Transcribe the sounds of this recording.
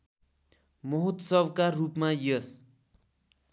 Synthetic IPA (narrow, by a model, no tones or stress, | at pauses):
mʌɦut̪sʌbkarupmajʌs